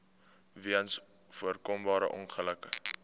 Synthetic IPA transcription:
viəns | fuərkɔmbɑːɾə̰ʔɔnχələkə

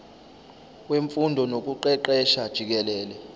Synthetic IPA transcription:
weɱfundʱɔnok̬ʼuǃɛǃɛʃad̥ʒ̥ʱik̬ɛlɛːlɛ

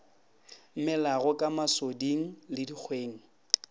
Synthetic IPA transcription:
m̩mɪlaɣʊkʼamasodiŋ̩lɪdik͡xʰweːŋ̩

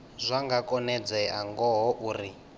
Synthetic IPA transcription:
zʷaŋɡakʼɔnɛd͡zɛaŋɡɔɦɔʔuːri

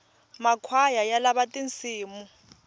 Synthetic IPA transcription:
makʰwajajalaβatʼint͡sʰʼiːmu

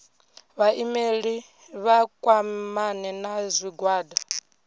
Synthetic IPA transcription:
βaʔimeɺi | βakʼwamanɛnazʷiɡwaːda

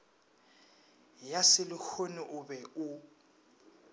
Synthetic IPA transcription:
jasɪlʊk͡xʰonʊʔʊbɛʊ

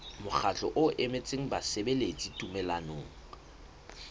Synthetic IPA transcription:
mʊχʰat͡ɬʼɔʔʊʔemet͡sʼeŋ̩basebelet͡sʼitʼumɛlanoːŋ̩

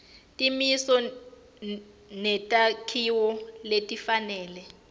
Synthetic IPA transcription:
tʼimisɔ | nɛtʼakʰiwɔletʼifanɛːlɛ

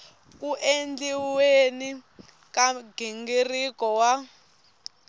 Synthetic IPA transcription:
k̬uʔend͡ɮiweni | kaɡiŋɡirikɔwa

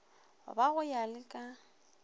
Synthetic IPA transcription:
ʊ̰baɣʊjalɪkʼa

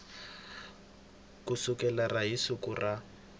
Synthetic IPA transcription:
kʊsʊkɛlaraɦisʊkʊrʔa

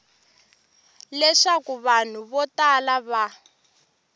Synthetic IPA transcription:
lɛʂakuβan̤uβɔtalaβa

